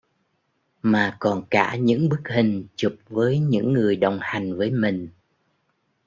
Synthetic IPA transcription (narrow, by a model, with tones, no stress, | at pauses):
maː˨˩kɔ˨˩nkaː˧˩ɲɨ̰˧˥ŋɓɨ˦˥k̚hï˨˩ŋ̟t͡ɕu˨˩p̚vəː˨˦jɲɨ̰˧˥ŋːɨ˨˩əjɗə˨˩wŋ͡mha˨˩jŋ̟vəː˨˦jmï˨˩ŋ̟